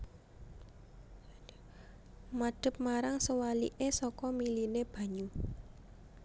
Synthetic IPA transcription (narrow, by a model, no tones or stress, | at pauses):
maɖ̥ə̤p̚maɾaŋsəwalḭʔesɔkɔmilineb̥ä̤ɲu